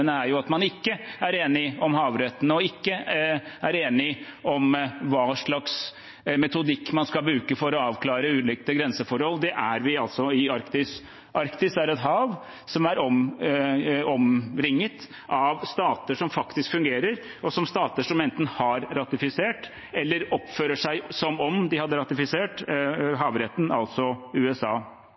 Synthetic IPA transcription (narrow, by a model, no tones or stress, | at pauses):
nəæɾjʊɑt̪mɑnɪkːəæɾeːnɪɔmɦɑːʋɾɛt̪ːənəɔɪkːəæɾeːnɪɔmʋɑːʂɭɑks | mɛt̪ʊd̪ɪkːmɑnskɑlbɾʉːkəfɔɾɔɑːʋkʰlɑːɾəʉːlɪk̚t̪əɡɾɛnsəfɔɾhɔlːd̪ɛʔæɾʋɪɑlt̪sɔɪɑɾkt̪ɪs | ʔɑɾkt̪ɪsæɾɛt̪ɦɑːʋ | sɔmæɾɔm | ɔmɾɪŋːət̪ | ʔɑʋst̪ɑːt̪əʂɔmfɑkt̪ɪskfʉŋɡeːɾəɾ | ɔsɔmst̪ɑːt̪əʂɔmɛnt̪n̩hɑɾɾɑt̪ɪfɪseːʈ | ɛlːəɾɔpføːɾəʂæɪsɔmɔmd̪ɪhɑd̪ːəɾɑt̪ɪfɪseːʈɦɑːʋɾɛt̪ːn̩ɑ̰lt̪sɔʉːɛsɑː